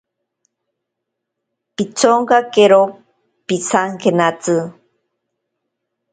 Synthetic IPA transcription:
pit͡soŋkakeɾo | pisaŋkenat͡sɨ

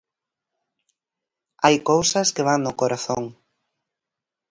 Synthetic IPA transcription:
ajkowsɐskeβaŋnʊkoɾaθoŋ

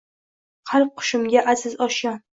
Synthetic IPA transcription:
qʰɑlˠq̚qʰːʊ̥ʃɪmɡʲaʔazɪzɒʃa

